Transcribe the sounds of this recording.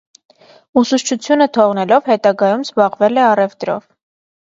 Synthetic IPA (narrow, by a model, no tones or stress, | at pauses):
usuʃt͡ʃʰut͡sʰjunət̪ʰɔʁnɛlɔvhɛt̪ɑɡɑjumzbɑʁvɛlɛɑrɛvd̪ɾɔ̰v